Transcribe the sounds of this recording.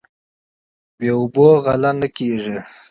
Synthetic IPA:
beʊboɣalanəkeʐi

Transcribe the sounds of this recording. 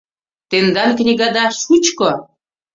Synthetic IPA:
t̪end̪anknʲiɡad̪aʃut͡ʃko

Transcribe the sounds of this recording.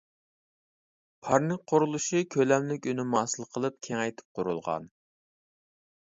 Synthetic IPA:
pʰɑɾnɨŋqʰoɾulˠuʃikʲʰølɛmlɪkʲynɪmɑːsɨlˠqʰəlˠɨp̚kʲʰeŋɛjt̪ʰɪ̥p̚qʰoɾṵlˠʁɑ̰n

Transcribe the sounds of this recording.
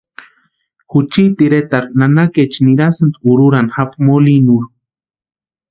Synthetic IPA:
xut͡ʃit̪iɾet̪aɾnanaket͡ʃniɾasɨnt̪ʼuɾuɾanxapmolinuɾ

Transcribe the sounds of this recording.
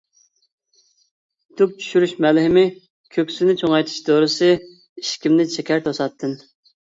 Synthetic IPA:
t̪ʰup̚t͡ʃʰy̥ʃyɾyʃmɛlɦɪmɪ | kʲʰøkʲsɪnɪt͡ʃʰoŋɑjt̪ʰɨ̥ʃd̪oɾɨsɨ | iʃkʲimnɪt͡ʃʰɛkʲæɾt̪ʰosɑt̪ʰːɨn

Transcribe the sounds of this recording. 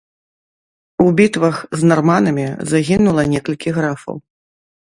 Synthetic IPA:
ubʲit̪vɐxznarmanɐmʲizaɣʲinulˠɐnʲɛkɐlʲkʲiɣɾafɐ̰w

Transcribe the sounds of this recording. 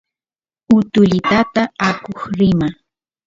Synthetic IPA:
ʊt̪ʊʎɪt̪at̪aakoχɾɪma

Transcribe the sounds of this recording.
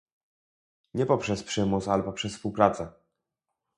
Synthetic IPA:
ɲɛpɔpʂɛspʂɘmutsalɛpɔpʂɛsfspuwpɾat̪sɛ

